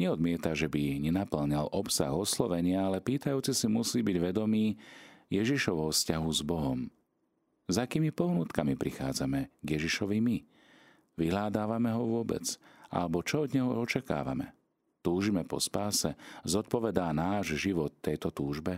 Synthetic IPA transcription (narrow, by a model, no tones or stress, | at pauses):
ɲɛɔd̪mɪɛt̪aʒɛbiɲɛnapl̩ɲalʔɔpsa̰ɣɔslɔʋɛɲɪaalɛpiːt̪ajuːt͡sisimusiːbiɟʋɛd̪ɔmiːjɛʒiʃɔʋɔʊfscaɦuzbɔɦɔm | zakiːmipɔɦnuːt̪kamipɾixa̰ːd͡zamɛɡjɛʒiʃɔʋimi | ʋiɦlaːd̪aːʋamɛɦɔʋʊɔbɛ̰d͡za̰lɛbɔt͡ʃɔɔd̪ɲɛɦɔɔt͡ʃaka̰ːʋa̰mɛ̰ | t̪uːʒimɛpɔ̰spaːsɛzɔt̪̚pɔʋɛd̪aːnaːʒʒiʋɔt̪ːɛjt̪ɔt̪uːʒbɛ